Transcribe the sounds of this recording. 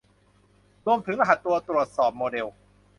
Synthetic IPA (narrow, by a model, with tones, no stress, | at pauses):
ɾu˧əmt̪ʰɯ˩˦ŋʔa˧ɦa˨˩t̪ːu˧ɐt̪ɾu˨˩ə˩t̪̚sɔː˨˩p̚moː˧de˧w